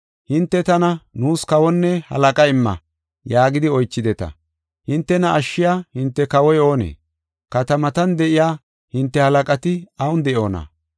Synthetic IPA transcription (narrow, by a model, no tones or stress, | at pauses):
hɪnt̪ːɛt̪ɐnɐnuːskɐwɔnːɛhɐ̰lɐkʼɐɪmːɐ̰ | jaːɡɪd̪ɪɔjt͡ʃːɪd̪ɛt̪ɐ̰ | hɪnt̪ːɛnɐʔːʃːɪjaːhɪnt̪ːɛkɐwɔjo̞ːnḛː | kɐt̪ɐmɐt̪ɐnd̪ɛʔɪjaː | hɪnt̪ːɛhɐlɐkʼɐt̪ɪɐwʊnd̪ɛʔo̞ːnɐ̰